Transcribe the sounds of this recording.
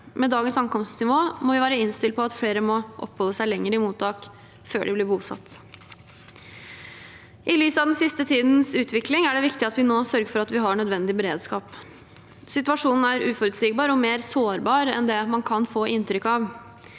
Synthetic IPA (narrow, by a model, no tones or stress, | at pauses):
mɛd̪ɑːɡənsɑŋkɔmst̪snɪʋoːmɔʋɪʋæːɾəɪnst̪ɪlt̪̚pɔɑt̪fɽeːɾəmɔʔɔ̰pːhɔlːəsæɪlɛŋːəɾɪmuːt̪ʰɑːk | fø̰ːɖɪblɪbuːsɑ̰t̪ː | ʔɪlyːsəɑʋd̪ɛnsɪst̪ət̪ʰiːd̪n̩sʉːt̪ʰʋɪklɪŋæɖɛʋɪkt̪ɪɑt̪ʋɪnoːsœɾɡəfɔɾɑt̪ʋɪɦɑɳœd̪ʋɛnd̪ɪbɛɾeːd̪skɑːp | sɪt̪ʉɑʂuːnn̩æɾʉːfɔɾʉt̪siːɡ̚bɑːɾɔmeːɾsoːɾbɑːɾɛ̰nd̪ɛmɑnkʰɑnfoːʔɪnt̪ɾʏkːɑʋ